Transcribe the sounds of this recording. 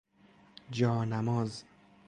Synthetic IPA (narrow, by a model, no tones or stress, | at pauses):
d͡ʒɒːnæmɒːz